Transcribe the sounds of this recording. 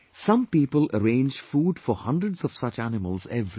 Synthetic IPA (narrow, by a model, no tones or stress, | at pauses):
sʌ̃mpiːpələ̰ɾẽːnd͡ʒfuːɖfɔhʌ̃ndɾəɖzɔv̥sʌt͡ʃænɪməlzɛvɾi